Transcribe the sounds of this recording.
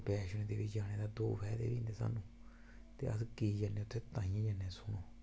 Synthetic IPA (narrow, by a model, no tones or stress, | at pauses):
pɛʃunẽt̪iβijanẽd̪ad̪ufed̪ḛβind̪esa̰nũ | t̪ea̰s̬ɨkiːjanẽt̪ʰet̪ãɲãjãnẽsunũ